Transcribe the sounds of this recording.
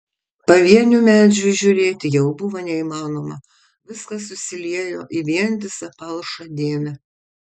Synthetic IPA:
pɐʋʲiɛnʲuːmʲæːd͡ʒʲuʒʲʊɾʲeːt̪ʲɪjɛʊbʊʋɐnʲɛimɑːnoːmɐ | ʋʲɪskɐsʊsʲɪlʲiɛjoːʔɪʋʲiɛnʲd̪ʲɪsɐpɐlˠʃɐd̪ʲeːmʲɛ

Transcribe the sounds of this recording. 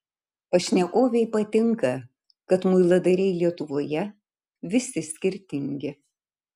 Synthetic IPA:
ɐʃʲnʲɛkoːʋʲɛɪpɐt̪ʲɪŋkɐ | kɐt̪mʊɪlˠɐd̪ɐɾʲɛɪlʲiɛt̪ʊʋoːjɛ | ʋʲɪsʲɪsʲkʲɪɾʲt̪ʲɪŋʲɡʲɪ

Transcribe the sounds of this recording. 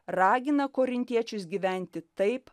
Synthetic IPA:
ɾɑːɡʲɪnɐkoːɾʲɪnʲt̪ʲiɛt͡ʃʲʊsɡʲiːʋʲæˑnʲt̪ʲɪt̪ɐɪp

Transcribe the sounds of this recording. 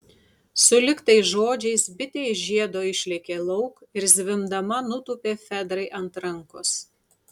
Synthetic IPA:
sʊlʲɪkt̪ɐɪsʒoːd͡ʒʲɛɪsbʲɪt̪ʲeːjʒʲiɛd̪oːɪʃʲlʲɛkʲeːlˠɐʊkɪɾzʲʋʲɪmd̪ɐmɐnʊt̪uːpʲeːfʲɛd̪ɾɐɪʔɐnt̪ɾɐŋkʊs

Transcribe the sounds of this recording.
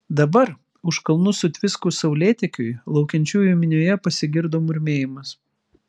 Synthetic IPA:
d̪ɐbɐɾ | ʊʃkɐlˠnʊsʊt̪ʲʋʲɪskʊːsɐʊlʲeːt̪ʲɛkʲʊɪlˠɒʊkʲɛnʲt͡ʃʲuːjʊmʲɪnʲoːjɛpɐsʲɪɡʲɪɾd̪oːmʊɾʲmʲeːjɪmɐs

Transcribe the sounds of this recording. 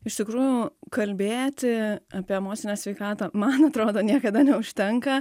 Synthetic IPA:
ɪʃt̪ʲɪkɾuːjʊkɐlʲbʲeːt̪ʲɪɐːpʲiɛɛmoːt̪sʲɪnʲɛːsʲʋʲɛɪkɑːt̪ɐːmɐnɐt̪ɾoːd̪oːnʲiɛkɐd̪ɐnʲɛʊʃʲt̪ʲɛŋkɐ

